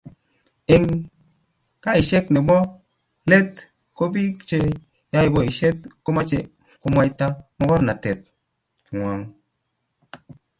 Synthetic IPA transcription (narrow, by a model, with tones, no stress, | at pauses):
ɪ˨ŋ | ka˦i˨ʃe˦kne˨bɔ˦ | le˦t̚ | ko˦bi˦t͡ʃe˧ | ja˦i˨bɔ˦i˨ʃe˦t̚ko˦ma˦t͡ʃe˨ | ko˦ma˧jta˦mɔ˦kɔ˦ɾna˨te˨t̚ | kŋwa˨ŋ